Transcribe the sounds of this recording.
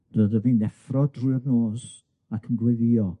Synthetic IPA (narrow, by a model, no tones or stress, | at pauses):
rəðəvinðɛfrɔdrujəbnoːs | akʰənɡwɛðiɔ